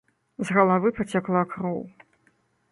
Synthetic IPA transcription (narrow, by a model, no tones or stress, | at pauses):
zɣɐlˠavɨpʰɐt͡sʲaklˠakrow